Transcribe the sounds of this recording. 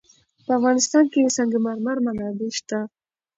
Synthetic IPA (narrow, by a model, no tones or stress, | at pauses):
pəafɣɑnɪst̪ɑnkesaŋɡemaɾmaɾmanɑd̪eʃt̪a